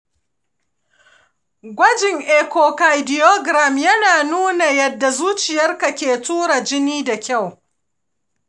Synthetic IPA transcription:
ɡʷɐ˦d͡ʒɪ˨ŋʔe˨ko˨ka˨jdɪ˨jo˦ɡɾa˨mjɐ˦naː˨nuː˦na˨jɐ˨dːa˨zuː˦t͡ʃɪ˨jɐ˦rka˨kʲeː˨tuː˦ɾa˨d͡ʒɪ˦niː˦da˨kʲa˦˨w

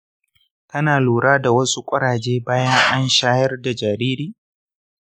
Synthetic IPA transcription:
tɐ˦naː˨luː˨ɽaː˦da˨wɐ˦su˦kʷʼɐ˦ɾaː˨d͡ʒeː˦baː˦jɐ˦ŋʔa˦nʃaː˦jɐ˦rda˨d͡ʒaː˨ɾiː˦ɾiː˦˨

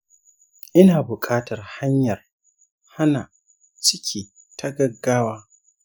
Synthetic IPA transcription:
ʔɪ˦naː˨bʊ˨kʼaː˦tɐ˨rha˦ɲjɐ˨r | ha˦naː˨ | t͡ʃɪ˦kʲʰiː˨ | tʰa˦ɡɐ˦ɡːaː˦waː˦

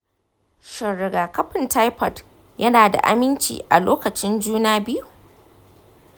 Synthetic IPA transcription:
ʃɐ˨ɽɪ˨ɡaː˨kɐ˦ɸɪ˨nta˦jpɐ˨t | jɐ˦naː˨da̰˨ʔa̰˦mɪ˦nt͡ʃḭː˨ʔa̰˨loː˦kɐ˨t͡ʃɪ˦nd͡ʒuː˦naː˦bɪ˦ju˨

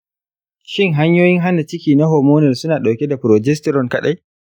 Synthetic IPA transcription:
ʃɪ˦ŋɦa˦ɲjoː˦jɪ˦ŋɦa˦na˨t͡ʃɪ˦kʲiː˨na˦ɦɔː˨moː˦nɛ˨rsʊ˦naː˨ɗa˨wkʲɛ˦da˨pɾɔ˨d͡ʒɛ˦stɛ˦ɾɔ˨ŋkɐ˦ɗa˦j

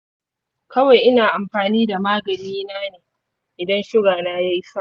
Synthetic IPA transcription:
kɐ˦wa˨jʔɪ˦naː˨ʔa˨mɸaː˨niː˦da˨maː˦ɡɐ˨niː˦naː˦neː˨ | ʔɪ˨dɐ˦nʃʊ˦ɡaː˨naː˦ja˦jsɐ˦

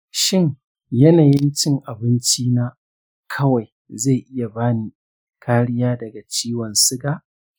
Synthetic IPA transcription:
ʃɪ˦ŋ | jɐ˦naː˨jɪ˦nt͡ʃɪ˦ŋʔa˨bɪ˦nt͡ʃiː˦naː˦ | kʰɐ˦wa˨j | za˦˨ʔɪ˦ja˨baː˦niː˦ | kʰaː˦ɽɪ˦jaː˦dɐ˨ɡa˨t͡ʃiː˦wɔ˨nsɪ˦ɡaː˦ʔ

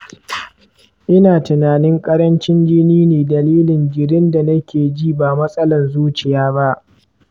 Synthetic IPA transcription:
ʔɪ˦naː˨tɪ˨naː˨nɪ˦ŋkʼɐ˦ɾɐ˦nt͡ʃɪ˦nd͡ʒɪ˦niː˦neː˨dɐ˨liː˦lɪ˨ŋɡʲɪ˨ɾɪ˦nda˨nɐ˦kʲeː˨d͡ʒiː˦˨baː˨mɐ˦sʼɐ˦lɐ˨nzuː˦t͡ʃɪ˨jaː˦ba˦ʔ

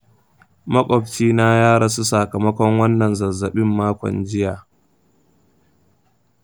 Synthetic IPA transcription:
mɐ˦kʷʼɔ˨bt͡ʃiː˦na˦jaː˦ɽa˦su˦sa˨kɐ˨mɐ˦kʷɔ˦ŋwɐ˦nːɐ˨nzɐ˨zɐ˨ɓɪ˦mːaː˦kʷɔ̰˨nd͡ʒɪ˦jaː˨

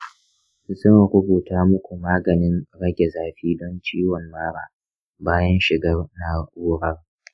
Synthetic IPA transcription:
zɐ˦˨ŋɾʊ˦buː˨taː˦mʊ˦kʷu˨maː˦ɡɐ˨nɪ˦nɽɐ˦ɡʲe˨zaː˨ɸiː˦dɔ˦nt͡ʃiː˦wɔ˨mːaː˦ɾaː˨ | baː˦jɐ˦nʃɪ˨ɡɐ˦rna˦uː˦ɽɐ˦r

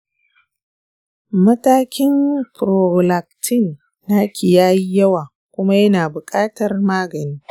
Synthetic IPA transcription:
mɐ˦taː˦kʲɪ˦mpɾo˨la˨k̚tʰɪ˦˨nː | aː˦kʲɪ˨jaː˦ji˦jɐ˦waː˨ | kʷʊ˦ma˦jɐ˦naː˨bʊ˨kʼaː˦tɐ˨rmaː˦ɡɐ˨niː˦

